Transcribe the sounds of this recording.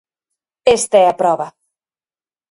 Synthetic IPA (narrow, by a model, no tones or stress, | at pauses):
est̪aɛɐpɾɔβɐ